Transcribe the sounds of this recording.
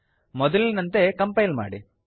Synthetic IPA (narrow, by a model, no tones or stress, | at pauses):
mɔd̪ɐlnɐnt̪ekɐmpɐjlma̰ːɽḭ